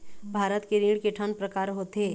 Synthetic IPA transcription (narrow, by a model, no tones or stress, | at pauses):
bʱaːɾət̪keɾĩɽkeʈʰanpɾəkaːɾɦoːt̪eː